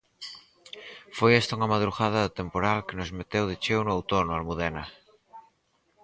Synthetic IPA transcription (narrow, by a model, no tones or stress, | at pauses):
fojest̪auŋamað̞ɾuɣað̞aðet̪empoɾalkenozmet̪ewð̞et͡ʃewnoawt̪onoalmuðena